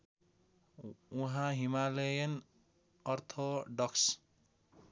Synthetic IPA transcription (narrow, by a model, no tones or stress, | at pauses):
uɦãɦimalejʌn | ʌrt̪ʰoɖʌks